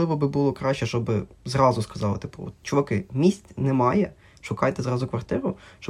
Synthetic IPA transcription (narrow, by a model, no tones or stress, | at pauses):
ɪʋɔbɪbulˠɔkɾɑʃʲt͡ʃɛʃt͡ʃɔbɪzrɑzʊskɐzɑlˠɪ̰t̪ɪpṵɔ̰t̪t͡ʃɔʋɐkɪmʲisʲtʲnɛmɑjɛ | ʃʊkɑjt̪ɛzɾɑzʊkʋɐrt̪ɪɾʊʃt͡ʃɔ